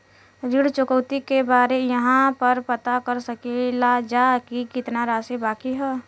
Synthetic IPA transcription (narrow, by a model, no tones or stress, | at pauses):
ɾiɽt͡ʃʊkəʊt̪ikebaːɾejəɦãpəɾpɐt̪akəɾsəkelad͡ʒakikɪt̪naɾaːsebaːkiɦɛː